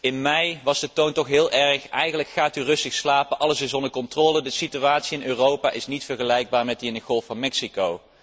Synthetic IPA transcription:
ɪnmɛjʋɑzdətowntɔχɦɪːlˠʔɛɹχɛjχənləkχaːtyrɵstəxslaːpənʔɑləsɪsɔndəɹkɔntroːlədəsityʋaːtsiɪnøːrowpa̰ːʔɪsnitfəɹχəlɛjɡ̚baːɹmɛt̚diɪndəχɔlˠfɑnmɛksikow

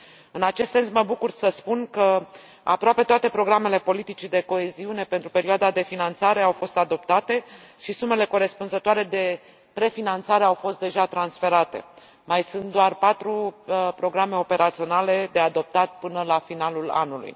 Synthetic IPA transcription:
ɨnat͡ʃe̞st̪se̞nsməbukursəspunkə | a̰pɾoape̞t̪oat̪e̞pɾo̞ɡɾame̞le̞po̞lit̪it͡ʃid̪e̞ko̞e̞ziune̞pe̞nt̪ɾupe̞ɾioad̪ad̪e̞finant̪saɾe̞awfo̞st̪ad̪o̞p̚t̪at̪e̞ʃisume̞le̞ko̞ɾe̞spunzət̪oaɾe̞d̪e̞ | pɾe̞finant̪saɾe̞awfo̞st̪̚d̪e̞ʒat̪ɾansfe̞ɾat̪e̞̰ | majsɨnt̪̚d̪oarpat̪ɾupɾo̞ɡɾame̞o̞pe̞ɾat̪sio̞nale̞d̪e̞ad̪o̞p̚t̪at̪̚pɨnəlafinalula̰nulṵj

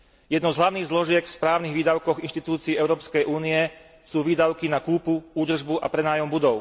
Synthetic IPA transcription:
jɛd̪nɔzɦlaʊniːɣzlɔʒɪɛkfspɾaːniɣʋiːd̪aʊkɔɣinʃt̪it̪uːt͡siːɛʊɾɔːpskɛjʔuːniɛ | suːʋiːd̪aʊkinakuːpuuːd̪r̩ʒbuʔapɾɛnaːjɔmbud̪ɔʊ

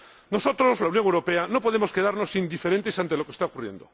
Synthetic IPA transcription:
no̞so̞t̪ɾo̞zlaunjo̞ŋewɾo̞pe̞ano̞po̞ðemo̞ske̞ðaɾno̞sind̪ife̞ɾent̪esant̪elo̞kest̪aokurje̞̰nd̪o̞

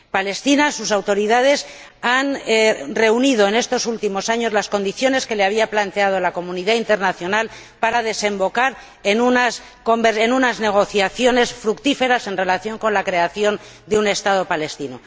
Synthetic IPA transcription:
pale̞st̪inasusawt̪o̞ɾiðað̞e̞s | anre̞unið̞o̞ene̞st̪o̞sult̪imo̞saɲo̞zlasko̞nd̪iθjo̞ne̞ske̞leaβ̞iaplant̪e̞að̞olako̞mũniðaint̪e̞ɾnaθjo̞nal | paɾaðe̞se̞mbo̞kaɾ | enunas | ko̞mbeenunazne̞ɣ̞o̞θjaθjo̞ne̞sfɾukt̪ife̞ɾase̞nre̞laθjo̞ŋko̞nlakɾe̞aθjo̞nd̪eune̞st̪aðo̞pale̞st̪ino

